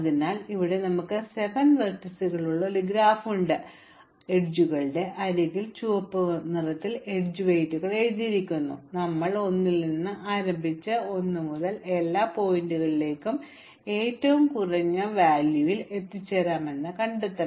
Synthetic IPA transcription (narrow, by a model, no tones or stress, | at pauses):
ɐðinaːliʋiɽe̞nɐmukːɨse̞ʋɐnʋɐrʈːɐsuɣɐɭuɭːɐliɡɾaːfuɳɖɨ | eɖd͡ʑuɣɐɭɖe̞ʔɐɾeŋɣilt͡ɕuʋɐpːɨnirɐt̪ːileɖd͡ʑuʋejtːuɣɐɭejt̪iɾikʲːunːṵnɐmːɐɭo̞nːilninːɨʔaːɾɐmbʱit͡ɕːɨo̞nːɨmuðɐle̞lːaːpo̞jinduɣɐɭile̞ːkʲːum | e̞ːtːɐʋumkurɐɲːɐʋaːljuʋile̞t̪ːit͡ɕːeɾaːme̞nːɨkɐɳɖit̪ːɐ